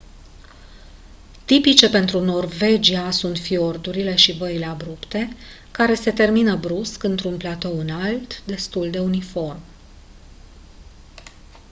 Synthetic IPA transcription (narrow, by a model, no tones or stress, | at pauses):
t̪ipit͡ʃe̞pe̞nt̪ɾuno̞rve̞d͡ʒiasunt̪fio̞rd̪uɾile̞ʃivəile̞abɾupt̪e̞ | kaɾe̞se̞t̪e̞rminəbɾuskɨnt̪ɾunplat̪o̞wɨnalt̪d̪e̞st̪uld̪e̞unifo̞rm